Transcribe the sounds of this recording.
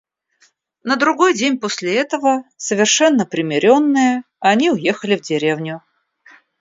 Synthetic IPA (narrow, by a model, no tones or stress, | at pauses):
nəd̪ɾʊɡojdʲenʲposʲlʲɪɛt̪əvəsəvʲɪrʂɛnːəpɾʲɪmʲɪɾʲo̞nːɨjə | ɐnʲiʊjexəlʲɪvdʲɪɾʲevnʲʊ